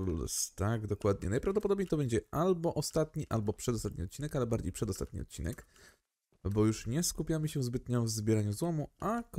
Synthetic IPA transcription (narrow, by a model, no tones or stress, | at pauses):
l̰st̪aɡd̪ɔkwad̪ɲɛ̰najpɾavd̪ɔp̬ɔd̪ɔbɲejt̪ɔbɛɲd͡ʑɛalbɔʔɔst̪at̪ɲiʔalbɔpʂɛd̪ɔst̪at̪̚ʲɲiɔt̪̚t͡ɕːinɛkalɛbaɾd͡ʑejpʂɛd̪ɔst̪at̪ɲḭɔ̰t̪t͡ɕḭnɛ̰k | bɔjuʂɲɛskupʲjamɘɕɛzbɘt̪ɲavzbʲjɛɾaɲuzwɔmuʔak